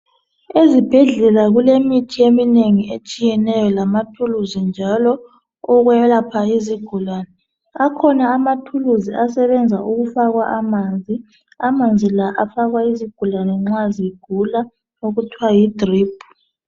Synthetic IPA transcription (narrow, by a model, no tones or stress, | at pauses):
ezib̥ʱɛɮɛlaɣulemitʰiemineŋiet͡ʃʼijɛnɛjɔlamatʰuluzind͡ʒʱalɔ | ɔɣwɛlapʰaiziɡ̥ʱulanɛ | akʰɔnaːmatʰuluziasɛβɛnd͡zʱaʔuɣufaɣwaʔamand͡zʱi | amand͡zʱilaʔafaɣwaiziɡ̥ʱulanɛŋ͡ǁaziiɡ̥ʱula | oɣutʰwajidriːb̥ʱu̥